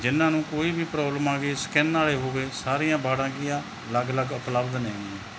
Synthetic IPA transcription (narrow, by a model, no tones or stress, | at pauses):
d͡ʒɪnːãːnũːkoːiːbʱiːpɾɔːbləmãːɡeːskɛːnːaːleːɦoːʋeːsaːɾɪːjãːbaːɽãːɡɪjãː | ləɡləɡəpləbd̪nẽː